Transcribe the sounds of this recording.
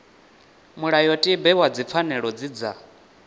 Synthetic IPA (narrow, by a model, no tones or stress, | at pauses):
muɺajɔtʼibɛwad͡zip̪fʰanɛɺɔd͡zid͡za